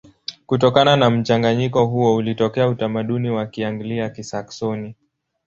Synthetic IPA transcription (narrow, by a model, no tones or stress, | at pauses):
kutɔkananam̩t͡ʃaŋɡaɲikɔɦuɔulitɔkɛautamaɗuniwakiaŋɡliakisaksɔni